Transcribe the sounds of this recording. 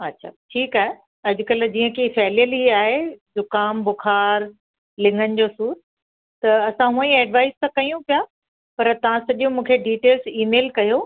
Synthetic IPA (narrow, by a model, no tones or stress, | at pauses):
ɐtːɕʰa̰ʈʰiːkaːɦe | ɐd͡ʑʊkəld͡ʑĩːə̃kʰefɛːljəliaːɦezʊkaːmbʊkʰaːɾ | lɪ̃ŋɡənɪ̆d͡ʑoːsuːɾ | t̪ɐɐsãɦũːə̃ĩɛːɖʋaːɪst̪ɐkɐijũpija | pɐɾt̪ɐʋ̤ãsɐʄũmũːkʰeɖiːʈeːlziːmeːlkɐjo